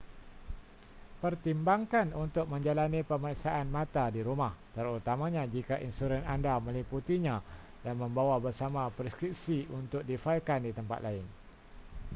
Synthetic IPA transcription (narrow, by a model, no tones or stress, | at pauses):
pərt̪imbaŋkanunt̪ʊk̚mə̃ɲd͡ʒalanipəmaɾiksaʔanmãt̪adiɾumaht̪əɾut̪amãɲãd͡ʒikaʔinsuɾɛnandamə̃liput̪iɲã | danmə̃mbawabərsamãpɾɛskɾip̚siunt̪ʊk̚difailkandit̪əmpa̰t̪̚laɪn